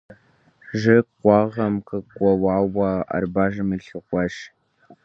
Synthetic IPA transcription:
ʒɨqʷɑːʁɐmkɨkʷɔwɑːwɐɐ̰rbaːʒɨmɨɬɨχʷɔʃ

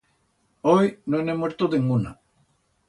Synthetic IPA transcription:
ojnonemweɾt̪oðeŋɡuna̰

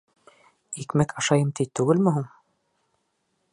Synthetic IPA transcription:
ikmækʰɑʃɑjɤmt̪it̪ːʉɡɘlmɵ̆ɦuɴ

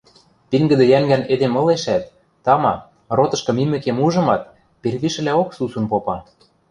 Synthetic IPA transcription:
piŋɡə̆d̪ĕjæŋɡæned̪emɤ̆leʃæt̪ː | ɑmɑ | rot̪ɤ̆ʃkɤ̆mimɘ̆kemuʒɤ̆mɑt̪̚ | perβiʃɘ̆læoksusunpopɑ

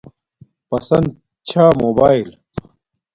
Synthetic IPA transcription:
pɐsɐ̰nd̪̚ | t͡ɕʰaːmoːbaːil

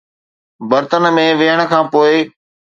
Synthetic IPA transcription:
bəɾt̪ənmẽʋɪɦəɽ̃̆kʰãːpoːɪ

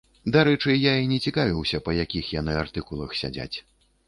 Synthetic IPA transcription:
d̪aɾɛt͡ʂɨjainʲɛt͡sʲikavʲiwsʲɐpɐjakʲixjanɨart̪ɨkulˠɐxsʲa̰d͡zʲa̰t͡sʲ

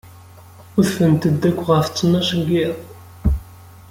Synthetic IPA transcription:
ʊðθənt̪əd̪ːækʷːʁəft͡sːənæʃəɡiðˤ

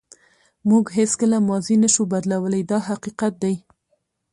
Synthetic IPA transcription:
muɡɦeskəlamɑzinaʃubad̪lawəlajd̪ɑɦaqiqat̪̚d̪aj

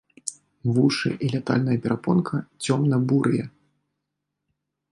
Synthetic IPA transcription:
vuʂɨ̰ʔilʲat̪a̰lʲnɐjɐpʲɛɾʔapɔnkʰɐt͡sʲɔmnɐbuɾɨjɛ

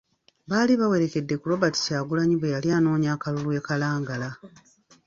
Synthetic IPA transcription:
βaːliβawe̞ɾe̞ke̞dːe̞kuɾo̞bati̥saːɡulaɲiβwejaliaːno̞ːɲaːkalulue̞kalaːŋɡala

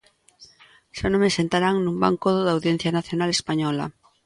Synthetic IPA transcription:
ʃanõmesent̪aɾaŋnumba̰ŋkoðʊðawðjen̟θjanaθjonalespaɲɔlɐ̰

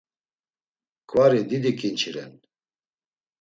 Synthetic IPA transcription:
kʰʼwaɾid̪id̪ikʰʼint͡ʃʰiɾɛ̰n

